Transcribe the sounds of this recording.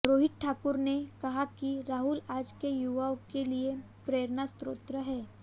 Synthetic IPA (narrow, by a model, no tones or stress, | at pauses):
ɾoːɦɪʈ̚ʈʰaːkʊɾnekɐɦakiɾaːɦʊlaːd͡ʒkejuʋaõkelie | pɾeːɾnast̪ɾoːt̪ɾəɦɛː